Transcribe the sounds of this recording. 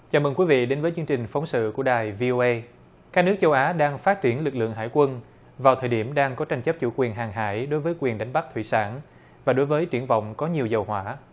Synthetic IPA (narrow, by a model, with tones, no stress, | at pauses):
t͡ɕaː˨˩mə˨˩kwi˨˦vḭ˧˨ɗe˨˦nvːjt͡ɕɨ˧əŋt͡ɕï˨˩ŋ̟fa˨˦wŋ͡msɨ̰˧˨ku˧˩əɗaː˨˩jvi˧ʔo˧ʔə˧ | kaː˦˥k̚nɨ˦˥k̚t͡ɕə˧wʔaː˨˦ɗaː˧ŋfaː˦˥t̚t͡ɕi˧˩ənlɨ˨˩k̚lɨ̰˧˨əŋɦa̰ː˧˩jkwə˧n | vaː˨˩t̪ʰəː˨˩jɗi˧˩əmɗaː˧ŋkɔ˨˦t͡ɕa˧jŋ̟t͡ɕə˦˥p̚t͡ɕṵ˧˩kwi˨˩ənɦaː˨˩ŋɦa̰ː˧˥˩jɗo˨˦jvəː˨˦jkwi˨˩ənɗa˨˦ŋ̟ɓa˦˥k̚t̪ʰwḭ˧˨saː˧˩n | vaː˨˩ɗo˨˦jvəː˨˦jt͡ɕi˧˩ənvɔ̰˧˨wŋ͡mkɔ˨˦ɲi˨˩əwzə˨˩wɦwaː˧˩˦